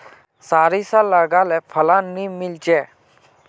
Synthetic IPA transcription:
saːɾisalaɡaːlɛpʰəlanːimɪlt͡ʃe

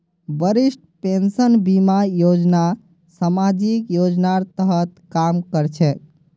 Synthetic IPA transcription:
bəɾisʈpensənbimajod͡ʒna | səmad͡ʒikjod͡ʒnaɾt̪əɦət̪kamkəɾt͡ʃʰɛ

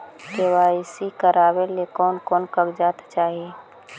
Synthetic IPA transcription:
kewaːɪsikəɾaːwelekɔːnkɔːnkəɡd͡ʒaːt̪t͡ʃaːɦie

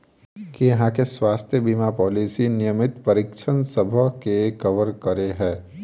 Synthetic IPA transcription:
kijɐɦãkeswaːst̪ʰjəbimapɔːlisinɪjəmɪt̪pɐɾɪkʃʰənsɐbʱəkekɐʋəɾkɐɾeɦɛ̃ː

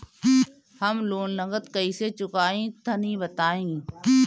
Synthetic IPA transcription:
hɐmloːnnəɡət̪kɐiset͡ʃʊkaːẽːt̪ʰɐnĩbɐt̪aːẽː

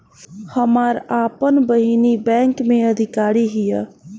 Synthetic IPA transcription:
həmaːɾaːpənbəɦinibɛ̃ːŋkmẽɐd̪ʱɪkaːɾiɦijɛ

